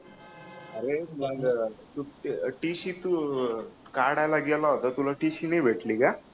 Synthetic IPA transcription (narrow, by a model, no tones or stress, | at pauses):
ɐɾenaɡt̪uʈiːʃit̪u | kaːɽaːjlaːɡijɐlaot̪ɐt̪ulɐʈiːʃineːbeʈliɡa